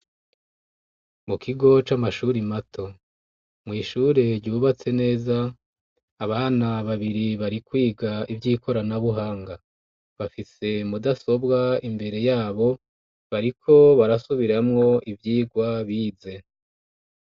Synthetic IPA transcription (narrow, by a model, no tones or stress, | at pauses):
mukʰiɡo̞t͡ʃamaʃuːɾimatʰo̞ | mŋiːʃuːɾe̞ɾɟuːβat͡se̞ne̞ːzaː | βaːnaβaβiɾiβaɾikwiːɡaivjiːko̞ɾanaβuɦaːŋɡa | βafise̞mudaso̞bɡaimbe̞ɾe̞jaːβo̞ | βaɾikʰo̞βaɾasuβiɾamŋo̞ivjiːɡwaβiːze̞